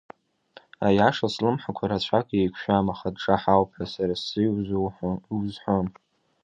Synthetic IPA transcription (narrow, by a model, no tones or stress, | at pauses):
ajaʂaslɨmħakʷʰaɾat͡ɕʷʰakʼejkʷʰʃᶣamaχadʈ͡ʂaħawpʰasaɾasɨjwzħwzħʷom